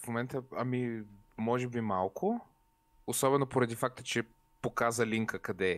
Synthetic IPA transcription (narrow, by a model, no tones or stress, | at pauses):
fmomɛnt̪əɐmimɔʒɛbimalˠkʰʊ | osɔbɛnopoɾɐd̪ifak̚t̪ət͡ʃɛ | pokazəliŋkəkɐd̪ɛ